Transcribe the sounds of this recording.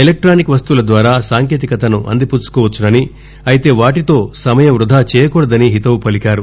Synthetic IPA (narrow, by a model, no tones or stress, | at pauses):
elek̚ʈɾaːnikʋɐst̪ulɐd̪ʋaːɾaːsaːŋkeːt̪̬ikɐt̪ɐnuʔɐ̰nd̪iput͡ʃu̥kɔːʋɐt͡ʃːunɐni | ɐjit̪e̞ːʋaːʈit̪o̞ːsɐmɐjɐmɾud̪ʱaːt͡ʃɛːjɐkɔːɽɐd̪ɐniɦit̪ɐwupɐlikʲaːɾu